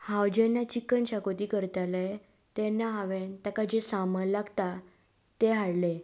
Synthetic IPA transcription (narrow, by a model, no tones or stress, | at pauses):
hawd͡ʑenːat͡ɕikːənɕakot̪ikəɾt̪ale | t̪ɛnːaɦaʋent̪akad͡ʑesaməlaɡt̪a | t̪eɦaɽle